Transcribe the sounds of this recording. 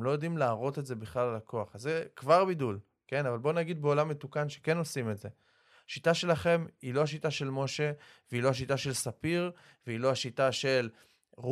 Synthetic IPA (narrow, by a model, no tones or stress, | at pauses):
mlo̞jo̞d̪imlaːʁo̞t̪e̞tze̞biχlalalako̞aχazekvaʁbidul | ke̞navalbo̞naɡid̪̚beo̞lamːet̪ukanʃe̞ke̞no̞sime̞tze̞ | aʃitaʃe̞laχe̞milo̞haʃ̬itaʃe̞lmoʃe̞ | veilo̞haʃ̬itaʃe̞lsapiʁ | veilo̞aʃitaʃe̞l | ʁu